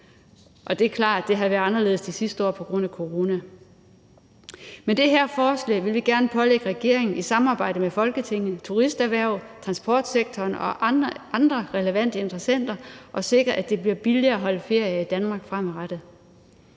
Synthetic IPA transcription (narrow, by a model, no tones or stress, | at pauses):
ʔɒ̽d̥e̝æɐkʰlɑ̰̈ːd̥ːe̝ɦæʋæɐɑ̈nɐle̝ð̩ˠsd̥isisd̥əɒ̰ːpʰɒ̽ɡ̥ʁɔ̽n̰ækʰo̝ʁo̝ːnæ | med̥e̝ɦæɐ̰fɒːslɛ̰ːʋe̝lʋiɡ̥æɐnəpʰɒ̽leɡ̥əʁɛɡ̥e̝ɐ̰e̝ŋn̩isɑ̈mɑ̈ːb̥ɑ̈ɪ̰d̥əmefɒ̽lɡ̥ət͡sʰe̝ŋ̰n̩t͡sʰuʁisd̥æʋæɐ̰ʊ̰t͡sʰʁɑ̈nsb̥ɒ̰ːd̥seɡ̥̚t͡sʰɒːnɒ̽ɑ̈nd̥ʁɐʁɛləʋæn̰d̥əe̝nd̥ʁɐsen̰d̥ɐʔɒ̽se̝ɡ̥ʁɐʔæd̥e̝b̥liɐb̥iliɐːæɦɒ̽ləfe̝ɐ̰jɐid̥ænmɑ̈ːɡ̥fʁɑmæʁad̥ð̩ˠ